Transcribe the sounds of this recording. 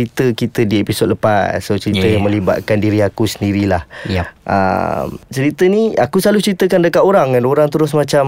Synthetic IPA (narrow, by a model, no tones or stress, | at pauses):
it̪əkit̪ədiepisod̚ləpatsot͡ʃəɾit̪əmə̃liba̰ʔ̪̚kandiɾiakusəndiɾilahʔə̰mt͡ʃəɾit̪ənia̰kuslaluht͡ʃəɾit̪əkandəkat̪oɾaŋːanoɾaŋt̪əɾʊs̬mãt͡ʃam